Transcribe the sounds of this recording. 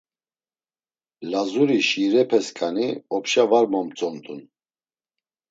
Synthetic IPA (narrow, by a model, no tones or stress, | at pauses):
lazuɾiʃiɾɛpʰɛskʼaniɔpʃavaɾmɔmt͡sʼɔnt̪ʰʼun